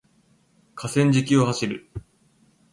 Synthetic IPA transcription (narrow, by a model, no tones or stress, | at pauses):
kʰasẽ̞ɲ̟d͡ʑikʲio̞haɕiɾɯ̟